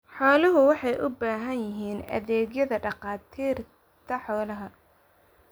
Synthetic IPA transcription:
ħɔːlɐɦʊwɑħɑjʔʊbaːɦɐnjɪɦiːnɐ̰ðɛːɣjɐðɐɖɑqɑːt̪ʰiːr | t̪ʰɐħɔːlɐɦɐ

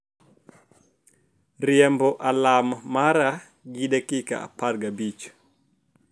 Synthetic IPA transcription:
riɛmbɔʔalamamaɾa | ɡiɗakika̰a̰paɾɡabit͡ʃɔ̥

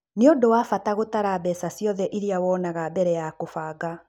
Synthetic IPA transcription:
neodowaːfataɣotaɾabɛsasjɔðɛʔiɾiawɔːnaɣabɛɾɛjakofaːɡa

